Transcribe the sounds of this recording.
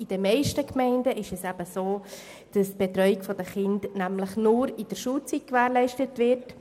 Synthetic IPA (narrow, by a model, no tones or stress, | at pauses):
ɪd̥əmɛɪʃtəkmɛɪndəʔɪʃɛsæb̥əsoː | d̥ɑstb̥etɾœʏikfɔd̥əχɪndnæmləχnʊɾɪd̥əɾʃuːt͡sit̚kvæːɾlɛɪʃtətvɪɾt